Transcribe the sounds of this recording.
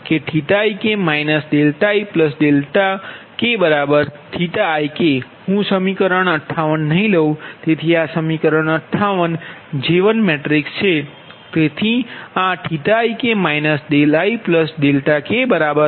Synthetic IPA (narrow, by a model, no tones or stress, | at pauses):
keʈʰiʈ̪ajkemajnəsɖelʈaipləsɖelʈa | kebəɾabəɾʈʰit̪aːjke | hũsəmikəɾəɳəʈʰːaʋənːəɦĩləũt̪et̪ʰiasəmikəɾəɳ̃əʈʰːaʋənd͡ʒeʋənmeʈɾikst͡ʃʰe | t̪et̪ʰiaʈʰiʈ̪ajkemajnəsɖelaipləsɖelʈakebəɾabəɾ